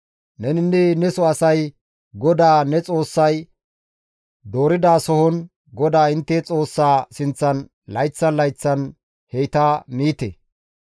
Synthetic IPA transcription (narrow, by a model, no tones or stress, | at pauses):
nɛnɪnːɛnɛsɔɐsɐj | ɡɔd̪aːnɛt͡sʼo̞ːsːɐj | d̪o̞ːɾɪd̪aːsɔhɔn | ɡɔd̪aːɪnt̪ːɛt͡sʼo̞ːsːaːsɪnt͡sːɐn | lɐjt͡sːɐnlɐjt͡sːɐn | hejt̪aːmiːt̪ḛ